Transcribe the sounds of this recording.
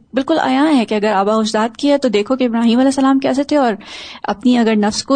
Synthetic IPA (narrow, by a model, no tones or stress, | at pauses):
bɪlkʊla̰ːjãːɦɛkeɐɡəɾaːbaɦʊd͡ʒd̪aːt̪kiat̪od̪eːkʰokeɪbɾaːɦiːmɐlɛːsːɐlaːmkɛːset̪ʰeɔːɾɐ̰pniɐɡəɾnɐfsko